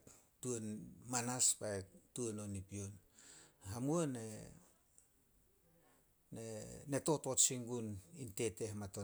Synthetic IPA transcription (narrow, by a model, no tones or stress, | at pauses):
tuonmanaspaetuononipion | hamuone | nene̞to̞to̞t͡ʃiŋɡuninte̞te̞hmato